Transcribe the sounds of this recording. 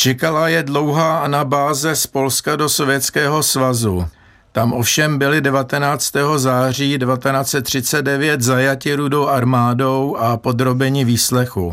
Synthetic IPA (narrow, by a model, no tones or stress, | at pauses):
t͡ʃɛkalajɛdlo̞wɦaːʔanabaːzɛspo̞lskado̞so̞vjɛt̪t͡skɛːɦo̞svazu | t̪amʔo̞fʃɛmbɪlɪdɛvat̪ɛnaːt͡st̪ɛːɦo̞zaːriːdɛvat̪ɛnaːt͡sɛt̪ːr̝̥ɪt͡sɛd̪dɛvjɛt̪zajacɪɾudo̞wʔaɾmaːdo̞wʔapo̞d̪ɾo̞bɛɲɪviːslɛxṵ